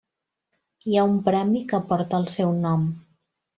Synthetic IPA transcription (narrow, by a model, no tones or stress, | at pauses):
iaumpɾɛmikəpɔɾt̪əːlˠsɛwnɔm